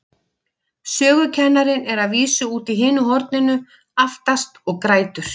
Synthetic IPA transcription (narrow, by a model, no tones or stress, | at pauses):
sœːɣʏcʰɛnːaɾɪnɛɾaðviːsʏuːt̪iɦɪːnʏɦɔɾt̪nɪnʏ | aft̪ast̪ɔɣkɾaːjt̪ʏɾ̥